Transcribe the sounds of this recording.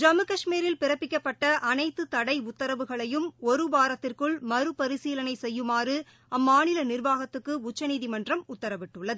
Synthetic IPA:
d͡ʒɐmɯkɐʂmiːɾɪlpɪɾɐpːɪkʲːɐpːɐʈːɐʔɐnɐɪt̪ːɯt̪ɐɽɐɪʊt̪ːɐɾɐʋɯɣɐɭɐjɯmɔɾɯbaːɾɐt̪ːɪrkɯɭmɐɾɯpɐɾɪsiːlɐnɐɪsɛjːɯmaːrɯ | ɐmːaːnɪlɐnɪrʋaːɣɐt̪ːɯkːɯʊt͡ʃːɐniːðimɐndrɐmʊt̪ːɐɾɐʋɪʈːɯɭːɐðɯ

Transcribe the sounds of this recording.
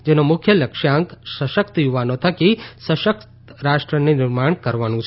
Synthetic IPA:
d͡ʒenomʊkʰjələkʃaŋksəʃəkt̪juʋanot̪ʰəkisəʃəkt̪ | ɾaʃʈɾənenɪɾmaɳkəɾʋanũt͡ʃʰe

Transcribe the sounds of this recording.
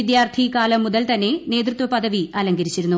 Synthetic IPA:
id̪jaːrt̪ʰikaːlɐmːuðɐlt̪ɐnːe̞ne̞ːd̪rɨt̪ʋɐpɐðɐʋiɐːlɐŋɡɐɾit͡ɕːiɾunːu

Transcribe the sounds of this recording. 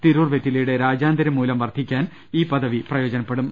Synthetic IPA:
t̪iɾuːrʋet̪ːilejuɽe̞ɾaːd͡ʑaːnd̪ɐɾɐmːuːlɐmʋɐrd̪ʱikʲːaːn | iːpɐðɐʋiprɐjo̞ːd͡ʑɐnɐpːeɽum

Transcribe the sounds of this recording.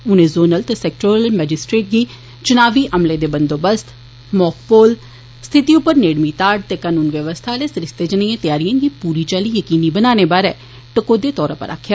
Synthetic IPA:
ʊnẽːzoːnəlt̪esɛk̚ʈoːɾəlmɛːd͡ʒɪsʈɾeːʈ̚ɡiː | t͡ʃʊnaːʋiːʔəmleːd̪eːbənd̪oːbəst̪ | mɔːkpoːl | st̪ʰɪt̪iːʊpːəɾneːɽmiːt̪aːɖ̚t̪eːkaːnuːnʋjəʋəst̪ʰaːleːsɾɪst̪eːd͡ʒəniːãːt̪ɪjaːɾijãːɡiːpuːɾiːt͡ʃaːliːjəkiːniːbənaːneːbaːɾɛː | ʈəkoːd̪eːt̪ɔːɾãpə̰ɾa̰ːkʰːjaː

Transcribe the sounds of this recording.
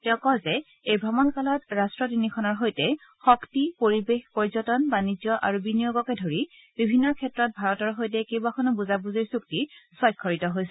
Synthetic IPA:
tɛʊ̃kɔzɛ | ejbʱɹamɔnkalɔtɹastɹɔtinikʰɔnɔɹɦojtɛ | xɔktipoɹibexpɔɹzɔtɔnbanizjɔʔa̰ɹubinijoɡɔkɛdʱoɹi | bibʱinːɔɹkʰɛtɹɔt̚bʱaɹɔtɔɹɦojt̬ɛkejbakʰɔnɔbuzabuziɹsuktisɔjkʰːɔɹitɔɦojsɛ

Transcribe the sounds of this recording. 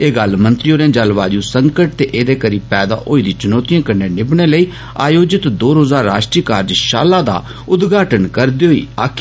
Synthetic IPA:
eːɡəlmə̃nt̪ɾioːɾẽːd͡ʒəlʋaːd͡ʒuːsəŋkəʈ̚t̪eːʔeːd̪eːkəɾiːpɛːd̪a̰ːʔoːiːd̪ĩːt͡ʃʊnɔːt̪ijãːkəɾneːnɪbɽ̃eːləiː | a̰ːjoːd͡ʒɪt̪d̪oːɾoːzaːɾːa̰ːʃʈɾikaːɾd͡ʒʃa̰ːlaːd̪a̰ː | ʊd̪ɡaːʈənkəɾd̪eːɦoḭːa̰ːkʰː

